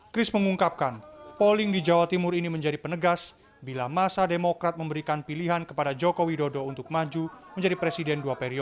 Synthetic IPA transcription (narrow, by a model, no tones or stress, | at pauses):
kɾɪsməŋuŋkap̚kanpolɪŋdid͡ʒawat̪imʊɾiniməɲd͡ʒadipənəɡas | bilamasademokɾat̪̚məmbəɾikanpiliɦankəpadad͡ʒokowidodɔunt̪ʊk̚mad͡ʒuməɲd͡ʒadipɾesidɛnduapeɾiɔ